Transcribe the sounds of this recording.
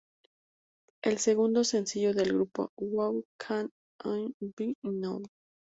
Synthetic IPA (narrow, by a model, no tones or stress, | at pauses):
elseɣund̪osensiʎoðelɡɾupo̰wawkʰan | anbinow